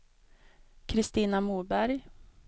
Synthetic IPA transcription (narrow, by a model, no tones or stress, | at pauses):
kʰɾɪst̪iːnamuːbæɾj